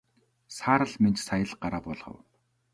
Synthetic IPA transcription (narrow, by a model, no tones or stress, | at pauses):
saːɾə̆ɮment͡ɕsajə̆ɮɢaɾaːpɔɮχə̰̆w